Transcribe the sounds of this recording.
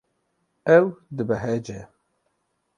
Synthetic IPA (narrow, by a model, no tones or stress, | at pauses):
ɛwd̪ɨbɛɦɛd͡ʒɛ